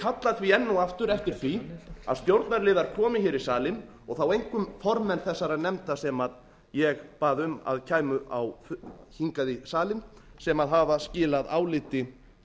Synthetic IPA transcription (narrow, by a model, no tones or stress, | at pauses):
kʰat̪lat̪viɛnːawaft̪ʏɾɛft̪ɪɾ̥θia̰ðst̪jowɾt̪naɾlɪːðaɾ̥kʰɔːmɪçɪːɾisaːlɪn | ɔɣθawejŋkʏmfɔɾmɛnθɛsːaɾanɛmt̪asɛmað | jɛɣpaːðʏma̰ðcʰaːjmʏʔawfhiŋkaðɪsaːlɪnsɛmaðɦaːvascɪːlaða̰ːwlɪt̪ɪ